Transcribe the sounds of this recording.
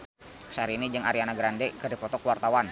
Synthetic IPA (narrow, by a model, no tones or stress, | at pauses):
saɾiinid͡ʒɨŋaɾianaɡɾandɛkərdipɔt̪ɔkwart̪awan